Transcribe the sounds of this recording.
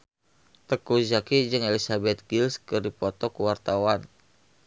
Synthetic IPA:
t̪əkud͡ʒakid͡ʒɨŋelisabɛt̪̚ɡilskɨrdipɔt̪ɔkuwart̪awan

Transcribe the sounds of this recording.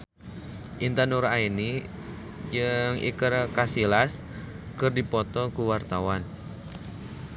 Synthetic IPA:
ʔint̪ənuraini | d͡ʒɨŋḭkərkasilas | kərdipɔt̪ɔkuwart̪awan

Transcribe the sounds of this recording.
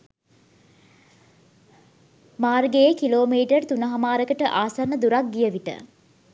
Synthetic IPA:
maːrɡeekiloːmiːʈərt̪unəɦamaːɾəkəʈəʔaːsanːəd̪uɾak̚ɡijəʋiʈə̰

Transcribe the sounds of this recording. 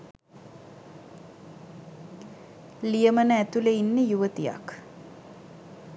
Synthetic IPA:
lijəmənəæt̪uləinːəjuʋət̪ija̰k

